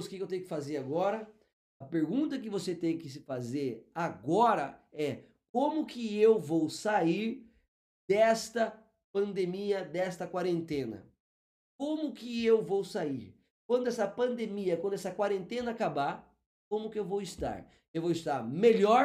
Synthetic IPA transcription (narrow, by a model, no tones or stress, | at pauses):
skɪkewt̪ẽjʊkɪ̥fazeɾaɡɔɾɐ | ɐpeɾɡũnt̪ɐkɪvoset̪ẽj̃kɪs̬ɪfazeɾaɡɔɾɐɛ | kõmʊkɪewvowsaiɾ | d̪ɛst̪ɐ | pɐ̃nd̪emiɐd̪ɛst̪ɐkwaɾẽnt̪ẽnɐ̰ | kõmʊkɪewvowsaiɾ | k̚wɐ̃nd̪ʊɛsɐpɐ̃nd̪emiɐkwɐ̃d̪ʊɛsɐkwaɾẽnt̪ẽnɐakaba | kõmʊkɪewvowɪst̪a̰ɾ | ewvowɪst̪aɾmeʎɔɾ